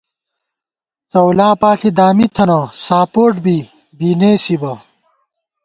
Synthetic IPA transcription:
t͡sɐwlaːpaːɬid̪aːmit̪ʰɐnɐsaːpoːʈbi | biːneːsibɐ

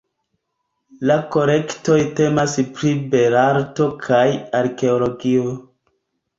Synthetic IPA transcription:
lako̞ɾe̞kto̞jte̞maspɾibe̞ɾaɾto̞kʰajaɾke̞olo̞ɡio

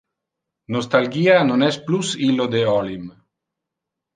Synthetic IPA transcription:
nost̪alɡianonɛsplusilod̪eɔlim

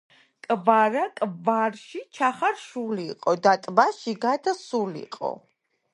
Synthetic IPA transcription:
kʼvaɾakʼvaɾʃit͡ʃʰaχaɾʃuliiqʼɔd̪at̪ʼbaʃiɡad̪asulḭqʼɔ̰

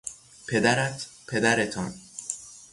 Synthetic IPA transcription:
pʰe̞d̪æɾæt̪ʰpʰe̞d̪æɾet̪ʰɒ̰n

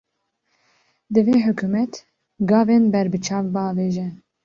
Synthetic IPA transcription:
d̪ɨveːħʊkuːmɛt̪ | ɡɑːveːnbɛɾbɨt͡ʃʰɑːvbɨɑːveːʒɛ

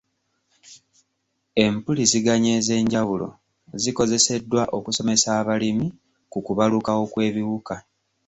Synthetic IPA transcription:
e̞mpuliziɡaɲe̞ze̞ːɲɟawulo̞̰ | ziko̞ze̞se̞dːwaʔo̞kuso̞me̞saːβalimi | kukuβalukawo̞kwe̞ːβiwuka

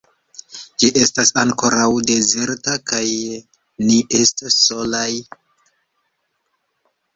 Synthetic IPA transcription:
d͡ʒiʔe̞stasaŋko̞ɾawde̞ze̞ɾtakaj | niʔe̞stasːo̞laj

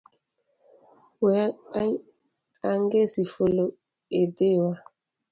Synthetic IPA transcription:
wɛa | aŋɡesifolo | edewa

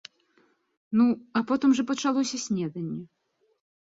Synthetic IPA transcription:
nuapɔt̪ɨmʐɐpɐt͡ʂalˠɔsʲɐsʲnʲɛd̪ɐnʲːɛ

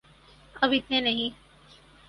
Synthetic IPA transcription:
ɐbʱit̪ʰẽnɐɦĩ

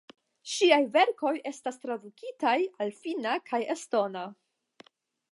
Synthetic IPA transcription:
ʃiajve̞ɾko̞je̞stast̪ɾadukitajalfinakʰajesto̞na

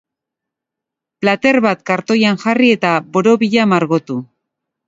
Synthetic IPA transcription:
plat̪e̞rβat̪kaɾt̪o̞jaŋʝarie̞t̪aβo̞ɾo̞βiʎamaɾɣo̞t̪u

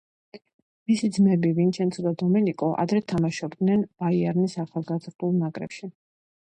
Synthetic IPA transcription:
misid̪zmɛbivint͡ʃʰɛnt̪sʰɔd̪ad̪ɔmɛnikʼɔʔa̰d̪ɾɛt̪ʰamaʃɔb̚d̪nɛnb̥aiaɾnisaχalˠɡazɾd̪ulˠnakʼɾɛ̰pʃi

